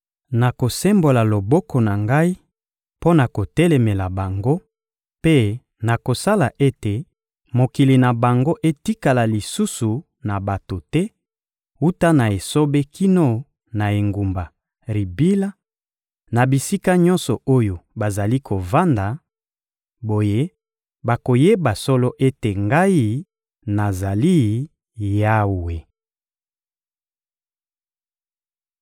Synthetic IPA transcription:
na˨ko˨sɛ˦mbo˨la˨lo˨bɔ˦kɔ˨na˨ŋɡa˦i˦ | po˦na˨ko˨tɛ˦lɛ˨me˨la˨ba˨ŋɡo˦ | pe˦ | na˨ko˨sa˦la˨ʔe˦te˨ | mo˨ki˨li˨na˨ba˨ŋɡo˦ʔe˦ti˦ka˨la˨li˨su˦su˨ | na˨ba˨to˨tɛ˦ | u˦ta˦na˨e˨so˦be˦kʰi˦no˦ | na˨e˨ŋɡu˨mba˨ | ʁi˨bi˦la˦ | na˨bi˨si˦ka˦ɲɔ̃˦nsɔ˨o˦jo˨ba˨za˨li˦kʰo˨va˦nda˨ | bo˨je˦ | ba˨ko˨je˦ba˨sɔ˦lɔ˦ʔe˦te˨ŋɡa˦i˦ | na˨za˨li˦ | ja˦wwe˨

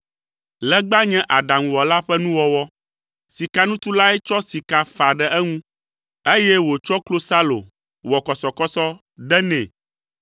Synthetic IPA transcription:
lɛ˦ɡ͡ba˦ɲɛ̃˦ʔa˨ɖa˨ŋũ˨wɔ˨la˦ɸɛ˦nũ˦wɔ˦wɔ˦ | si˨ka˦nũ˦t̪u˦la˦ɛ˦t͡ʃɔ˦si˨ka˦fa˨ɖɛ˨ʔɛ˦ŋũ˦ | e˦jɛ˦wo˨t͡ʃɔ˦klo˦sa˦lo̰˨ | wɔ˨kɔ˨sɔ˨kɔ˦sɔ˦ | ɖɛ˦nɛ̃˨

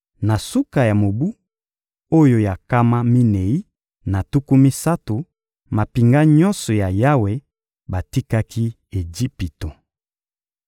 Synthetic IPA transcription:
na˨su˦ka˨ja˨mo˨bu˦ | o˦jo˦ja˨ka˦ma˦mi˦ne˨i˦ | na˨tu˦ku˦mi˦sa˦to˨ | ma˨pi˨ŋɡa˦ɲɔ˦nsɔ˨ja˨ja˦we˨ | ba˨ti˦ka˦kʰi˦ | e˨d͡ʒi˦pi˨to˨

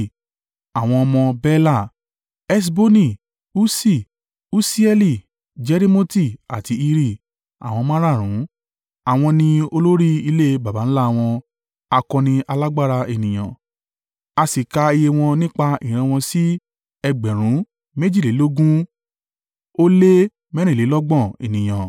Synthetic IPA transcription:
a˨w̃ɔ̃˧ɔ˧mɔ̃˧bɛ˦la˦˨ | ɛ˦s̬bo˦nĩ˦˨ | u˦si˦˨ | u˦si˦ɛ˧li˦˨ | d͡ʒɛ˨˦ɾi˦mo˦ti˦˨a̰˨ti˧i˧ɾi˦˨ | a̰˨w̃ɔ̃˧mã˦ɾa˦˨ɾ̃ũ˨˦ | a˨w̃ɔ̃˧nĩ˧o˧lo˦ɾi˦i˧le˦ba˨ba˨˦n̩˦la˦˨w̃ɔ̃˧ | a˧kɔ̃˧nĩ˧ʔa˧la˦ɡ͡ba˦˨ɾa˧e˨nĩ˨j̃ã̰˨ | a˧si˨ka˧i˧je˧w̃ɔ̃˧nĩ˦k͡pa˧ĩ˨ɾ̃ã˧w̃ɔ̃˧si˦ | ɛ˧ɡ͡bɛ˨ɾ̃ũ˨˦ | mẽ˦d͡ʒi˦˨le˨˦lo˦ɡũ˦ | o˦le˦ | mɛ̃˦ɾ̃ĩ˦˨le˨˦lɔ˦ɡ͡bɔ̃˦˨ḛ˨nĩ˨j̃ã˨

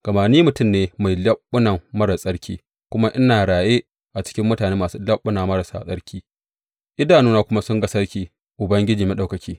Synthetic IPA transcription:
ɡ̥ɐ˨maː˨niː˦mʊ˨tʊ˦˨mneː˨˦ma˨jlɐ˦ɓːʊ˦na˨mːɐ˦ɽɐ˨sʼɐ˦ɽkʲiː˦ | kʷʊ˦ma˦ʔɪ˦naː˨ɽaː˨jeː˦ | ʔa˨t͡ʃɪ̥˦kʲɪ˦mːʊ˦taː˨neː˦maː˨su˦lɐ˦ɓːʊ˦naː˨mɐ˦ɽɐ˨sa̰˨sʼɐ˦ɽkʲiː˦ | ʔɪ˦daː˨nuː˦naː˦kʷʊ˦ma˦sʊ˦ŋɡɐ˦sɐ˦ɽkʲiː˦ | ʔʊ˨bɐ˦ŋɡʲɪ˦d͡ʒiː˨me˦ɗa˨wkɐ˨kʲiː˦

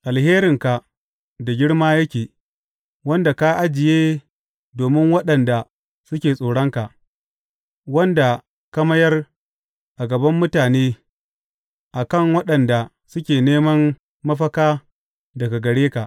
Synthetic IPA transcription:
ʔa˨lheː˦ɾɪ˨ŋka˨ | da˨ɡʲɪ˦ɽmaː˦jɐ˦kʲeː˨ | wɐ˦nda˨ka˦ʔa˦d͡ʒɪ˨jeː˦ | doː˨mɪ˦ŋwɐ˦ɗɐ˨nda˨ | sʊ˦kʲeː˨sʼoː˨ɽɐ˦ŋka˨ʔ | wɐ˦nda˨ | kɐ˦mɐ˦jɐ˦r | ʔa˨ɡɐ˨bɐ˦mːʊ˦taː˨neː˦ | ʔa˨kɐ˦˨ŋwɐ˦ɗɐ˨nda˨ | sʊ˦kʲeː˨neː˦mɐ˦nː | ɐ˦ɸɐ˦kaː˦ | dɐ˨ɡa˨ɡɐ˨ɽeː˦ka˨ʔ

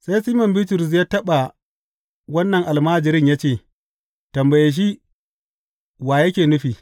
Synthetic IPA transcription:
sa˦jsiː˦mɐ˨mbiː˦tʊ˨ɾʊ˨s̬jaː˦tɐ˦ɓa˨ | wɐ˦nːɐ˨ŋʔa˨lmaː˦d͡ʒɪ˨ɾɪ˦ɲja˦t͡ʃeː˦˨ | tɐ˨mbɐ˨je˨ʃ̬i˦ | waː˨jɐ˦kʲeː˨nʊ˦ɸiː˨

